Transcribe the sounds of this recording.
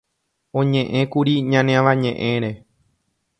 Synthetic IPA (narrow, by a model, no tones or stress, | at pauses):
õ̞ɲẽʔẽkuɾiɲãneãʋaɲẽ̞ʔẽ̞ɾe̞